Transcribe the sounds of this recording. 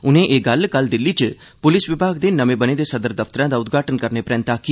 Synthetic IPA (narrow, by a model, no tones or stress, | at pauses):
ʊnẽʔeːɡɐlkəld̪ɪlːit͡ʃ | pʊlɪsʋɪbʱaːɡd̪eːnəmẽbəned̪esɐd̪əɾd̪əft̪əɾãːd̪aʊd̪ɡʱaːʈənkəɾnepɾẽːnt̪aki